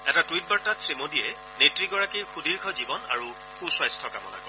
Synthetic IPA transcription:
ɛtatuwit̚baɹtatsɹemodijɛ | netɹiɡɔɹakixudiɹɡʱɔzibɔna̰ɹu | xuswajstʰɔkamɔ̰nakɔ

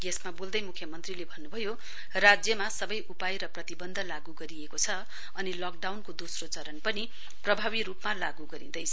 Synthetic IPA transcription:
ɡesmabold̪ʌjmukʰːjʌmʌnt̪rilebʱʌnːubʱʌjo | rad͡zjʌmasʌbʌjʔupajɾʌprʌt̪ibʌnd̪ʱʌlaɡuɡʌɾiekot͡sʰʌ | ʌnilʌk̚ɖawnkod̪osrot͡sʌɾʌnpʌni | prʌbʱaβiɾupmalaɡuɡʌɾĩd̪ʌjt͡sʰʌ

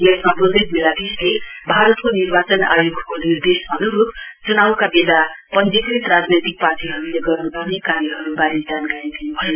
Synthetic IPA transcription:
jʌsmabodeɡ̚meladislebʱaɾʌt̪konirbat͡sʌna̰joɡʱkonird̪esbʌnuɾupt͡sunawkabed̪apʌnd͡zikrit̪rad͡znʌjt̪ik̚paʈiɦʌɾuleɡʌrnupʌrnekaɾjʌɦʌɾubaɾid͡zankaɾid̪inubʱʌjo

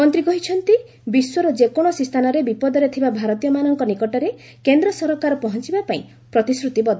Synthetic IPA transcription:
mɔnt̪ɾikɔɦit͡ʃʰɔnt̪i | biswɔɾɔd͡ʒekoɽ̃ɔsist̪ʰanɔɾebipɔd̪ɔɾet̪ʰibabʱaɾɔt̪ijɔmanɔŋkɔnikɔʈɔɾe | kend̪ɾɔsɔɾɔkaɾɔpɔɦɔnt͡ʃibapaĩ | pɾɔt̪isɾut̪ibɔd̪ʱ

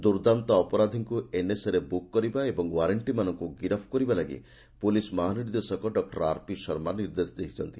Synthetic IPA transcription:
d̪uɾd̪ant̪ɔɔpɔɾad̪ʱiŋkueneseɾebukːɔɾibaebɔŋwaɾeɳʈimanɔŋkuɡiɾɔpʰkɔɾibalaɡḭ | pulismaɦaniɾd̪esɔkɔɖɔk̚ʈɔɾaɾpisɔɾmaniɾd̪esd̪ekʰi̥t͡ʃʰɔnt̪i̥

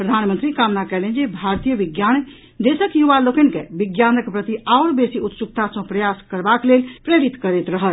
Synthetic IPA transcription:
pɾəd̪ʱanmənt̪ɾikamnakɛlend͡ʒebʱaɾt̪ijəbiɡjan | d̪esəkjuʋalokənkebiɡjanəkpɾət̪iaoɾbesiut̪sukt̪asə̃pɾəjaskəɾbaklelpɾeɾit̪kəɾet̪ɾəɦəl

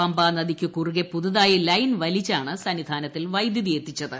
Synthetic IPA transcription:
ɐmbaːnɐðikʲːɨkuruɣepuðuðaːjilɐjnʋɐlit͡ɕːaːɳɨsɐnid̪ʱaːnɐt̪ːilʋɐjd̪jiðijet̪ːit͡ɕːɐðɨ

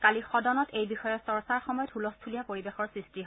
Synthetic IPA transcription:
kalixɔdɔnɔtejbixɔjɔsɔɹsaɹxɔmɔjɔdʰʱulɔstʰulijapoɹibexɔɹsɹistiɦ

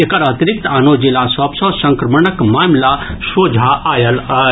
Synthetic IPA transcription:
ekɐɾɐt̪iɾɪk̚t̪aːnoːd͡ʒelaːsɐbsoːsɐ̃ŋkɾɐməɳəkmaːmlaʃoːd͡ʒʱaʔaːjɐl

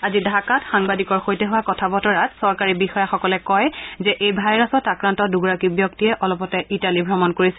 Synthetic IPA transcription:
azidʱakatxaŋbadikɔɹxojtɛɦʊwakɔtʰabɔtɔɹatsɔɹkaɹibixɔjaxɔkɔlɛkɔjzɛʔejbʱajɹasɔtakɹantɔduɡɹakibjɔk̚tiɛʔɔlɔpɔtɛʔitalibʱɹɔmɔnkoɹisɛ̥

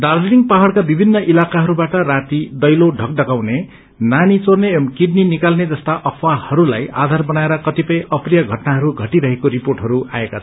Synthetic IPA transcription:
d̪ard͡zniŋɡpaɦʌɭkabibʱinːʌʔilakaɦʌɾubaʈʌrat̪id̪ʌjloɖʱʌk̚ɖʌɡawne | nanit͡sornemkiɖninikalned͡zʌst̪aʔʌpʰwahʌɾulaja̰d̪ʱarbʌnaeɾʌkʌt̪ipʌjʔʌprijʌɡʱʌʈnaɦʌɾuɡʱʌʈiɾʌɦekoɾiporʈɦʌɾua̰ekat͡sʰʌ

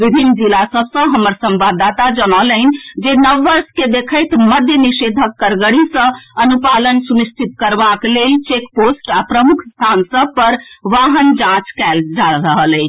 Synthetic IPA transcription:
ʋibʱinːd͡ʒilasəbsə̃ɦəməɾsə̃mbad̪at̪ad͡ʒənələn̆d͡ʒenəʋːəɾsked̪ekʰəjt̪məd̪ʱjənised̪ʱəkːəɾɡəɽisə̃ənupalənsunist͡ʃ̪ʰit̪kəɾbaklelt͡ʃekposʈapɾəmukʰst̪ʰansəb̚pəɾʋaɦənd͡ʒãt͡ʃkɛld͡ʒaɾəɦələɪt͡ʃʰ

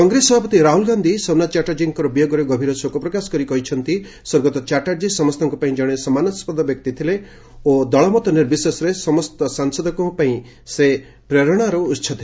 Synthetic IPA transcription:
kɔŋɡɾesɔbʱapɔt̪iɾaɦulɡand̪ʱisɔnat͡ʃaʈaɾd͡ʒiŋkɔɾɔbijɔɡɔɾɔɡɔbʱiɾɔsokɔpɾɔkasɔ̥kɔɾikɔɦit͡ʃʰɔnt̪i | sɔɾɡɔt̪ɔt͡ʃaʈaɾd͡ʒisɔmɔst̪ʰɔŋkupaĩd͡ʒɔɽ̃esɔmanɔspɔd̪ɔbjɔk̚t̪it̪ʰile | od̪ɔɭɔmɔt̪ɔniɾbisesɔɾesɔmɔst̪ɔsaŋsɔd̪ʱɔkɔpaĩ | se | pɾɔɾɔɽ̃aɾɔutːt͡ʃʰɔt̪ʰile

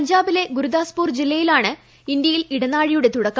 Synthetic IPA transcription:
ɐɲd͡ʑaːbile̞ɡuɾud̪aːspuːrd͡ʑilːɐjilaːɳɨ | ind̪jɐjiliɽɐnaːɻijuɽe̞t̪uɽɐkːa

